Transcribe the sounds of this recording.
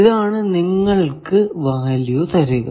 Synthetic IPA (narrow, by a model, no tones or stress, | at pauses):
iðaːɳɨniŋːɐɭkɨʋaːlijot̪ɐɾuɣɐ̰